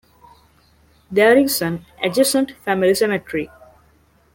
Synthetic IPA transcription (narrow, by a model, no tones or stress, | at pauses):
d̪eːɾisə̃n | ed͡ʒɪsə̃ɳʈfæmilisemeʈɾi